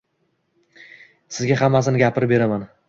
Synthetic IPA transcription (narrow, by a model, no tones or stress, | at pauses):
sɪzɡʲaɦamːas̬ɪnɪɡʲapʰɪɾpbe̞ɾaman